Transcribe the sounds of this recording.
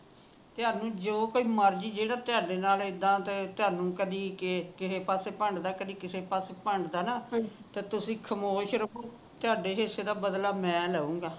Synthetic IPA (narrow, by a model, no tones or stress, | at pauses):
t̪ɪaːɾnũːd͡ʒoːkoːiːməɾd͡ʒiːd͡ʒeːɽaːt̪ɪaːɖeːnaːlɪd̪ãːt̪eːt̪ɪaːɾnũːkəd̪iːkkɪseːpaːseːpəɳɖd̪aːkəd̪iːkɪseːpaːseːpəɳɖd̪aːnaːt̪eːt̪ʊsĩːkʰəmoːʃɾəkoː | t̪ɪaːɖeːɦɪseːd̪aːbəd̪laːmɛ̃ːlɛːũːɡaː